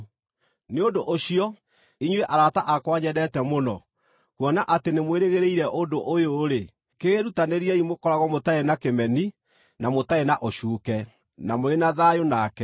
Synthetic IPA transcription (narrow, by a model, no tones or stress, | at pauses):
neondoʔoɕiɔ | iɲweʔaɾataʔakwaɲɛdɛtɛmonɔ̰ | kwɔnaʔatenemweɾeɣeɾeiɾɛʔondoʔojoɾe | keeɾutaneɾiɛimokɔɾaɣɔmotaenakemɛni | namotaenaʔoɕuːkɛ | namoɾenaðajonakɛ